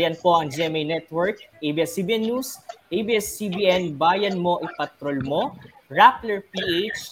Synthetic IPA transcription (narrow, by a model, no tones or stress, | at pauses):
jɐnpo̞ʔɐŋd͡ʒɛmɛjnɛt̪̚wɛɹk̚ʔejbiɛsibiʔɛnːusʔejbiɛsːibiʔɛnbaːjɐnmo̞ʔɪpɐt̪ɾolmo̞ɹaplɛɹpiʔejt͡ʃ